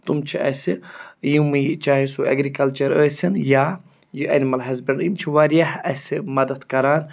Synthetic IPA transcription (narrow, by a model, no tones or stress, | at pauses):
t̪umt͡ʃʰiʔɐ̰sijimɨt͡ʃaːɦisuɐ̰ɡɾikɐlt͡ʃɐɾəːsʲinjaː | jɨʔɐ̰nimɐlɦɐzbɐɳjimt͡ʃʰiʋaɾjahɐsʲimɐd̪ɐt̪kɐɾaːn